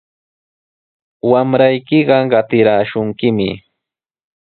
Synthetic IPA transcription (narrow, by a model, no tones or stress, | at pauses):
wamɾajkɪɢɑɢɑt̪ɪɾaːʃʊŋkɪmɪ̰